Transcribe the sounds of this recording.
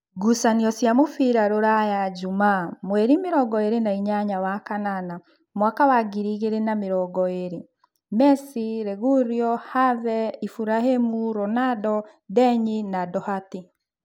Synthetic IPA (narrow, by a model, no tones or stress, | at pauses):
ɡusaniɔsjamofiɾaɾoɾajad͡ʒumamweɾimeɾɔɡɔeɾenaiɲaɲawakanana | mwakawaɡiɾiɣeɾenameɾɔɡɔeɾe | mɛsiɾeɣuɾiɔhaðɛifuɾahemuɾɔnadɔ | dɛɲinadɔhati